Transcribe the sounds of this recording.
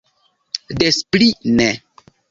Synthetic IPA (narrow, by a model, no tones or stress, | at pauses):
desplinɛ